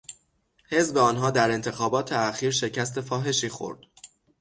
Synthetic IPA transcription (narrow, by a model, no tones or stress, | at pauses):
he̞zbeɒːnɦɒːd̪æɾe̞nt̪ʰe̞xɒːbɒːt̪ʰeæxiːɾʃe̞cʰæst̪e̞fɒːɦe̞ʃiːxo̞̰ɾd̪̥